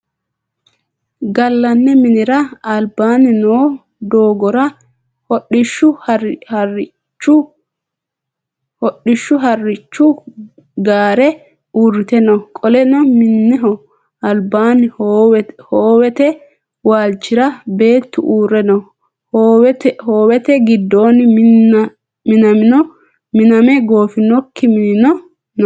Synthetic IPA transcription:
ɡɐlːɐnːɛmɪnɪɾɐɐlbaːnɪnoː | d̪oːɡɔɾɐ | hɔɗːɪʃːʊɐhɐrɪ | t͡ʃːʊ | hɔɗːɪʃːʊɦɐrɪt͡ʃːʊ | ɡaːɾɛ | uːrːɪt̪ɛnɔkʼɔlɛnɔmɪnːɛɦɔ | ɐlbaːnɪhowhoːwɛt̪ɛ | waːlt͡ʃːɪɾɐbe̞ːt̪ːʊʔuːɾɛnɐ | hoːwɛt̪hoːwɛt̪ɛɡɪd̪ːo̞ːnɪ | mɪnɐmɪnɔ | mɪnɐmɛɡo̞ːfɪnɔkːɪmɪnɪnɔ | n

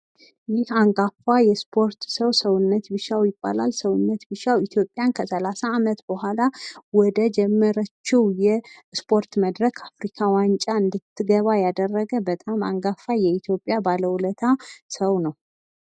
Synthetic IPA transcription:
jɪhaŋɡafajɛspʰo̞ɾt̪səwsəwʊnːət̪bɨʃawjɪbːa̰la̰lsəwʊnːət̪bɨʃawit̪ʰjo̞pʼːjankʰəsəlasaːmət̪b̥əhʷalawɔd̪əd͡ʒɛmːəɾət͡ʃːɪwjɛspʰo̞ɾt̪məd̪ɾəkʰafɾikʰawant͡ʃʼaɨnd̪ɨt̪ʰːɨɡəβajad̪ərːəɡəbət̪ʼama̰ŋɡafajɛit̪ʰjo̞pʼːjabaləwulət̪ʰasəwnəw

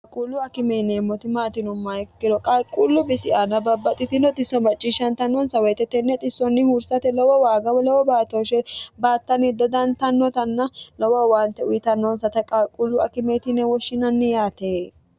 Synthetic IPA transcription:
kɐkʼulːʊɐkɪmenemːɔt̪ɪmaːt̪ɪnʊmːahɪkːɪdɔkʼakʼːulːʊbɪsɪʔanɐbɐbːɐt̪ʼɪt̪ɪnɔt̪ɪsːɔnbɐt͡ʃʼːiːʃːɐnt̪ɐnːɔnsɐwɛjt̪ɛt̪ːɛnːɛt̪ʼɪsːɔnːɪhuɾsɐt̪ɛlɔwɔwaːɡɐwɔlɔwɔbaːt̪oʃɛbaːt̪ːɐnɪd̪ɔd̪ɐnt̪ɐnːɔt̪ɐnːɐlɔwɐwaːnt̪ɛʊjɪt̪ɐnːɔnsɐt̪ɐkʼakʼːulːʊɐkɪmeːt̪ɪnɛwɔʃːɪnɐnːɪjaːt̪eː

